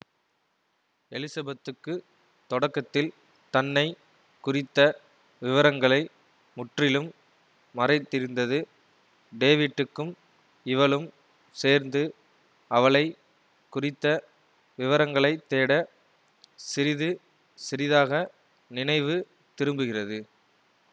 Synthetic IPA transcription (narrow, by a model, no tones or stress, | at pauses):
ɛlɪsɐbɐt̪ːɯkːɯ | t̪ɔɽɐkːɐt̪ːɪl | t̪ɐnːɐɪ | kʊrɪt̪ːɐ | ʋɪʋɐɾɐŋɡɐɭɐɪ | mʊʈrɪlɯmː | ɐrɐɪt̪ːɪɾɯnd̪ɐðɯ | ɖeːʋɪʈːɯkːɯm | ɪʋɐɭɯm | seːɾnd̪ɯ | ɐʋɐɭɐɪ | kʊrɪt̪ːɐ | ʋɪʋɐɾɐŋɡɐɭɐɪt̪ːeːɽɐ | sɪɾɪðɯ | sɪɾɪðaːɣɐ | nɪnɐɪʋɯ | t̪ɪɾɯmbɯɣɪrɐðɯ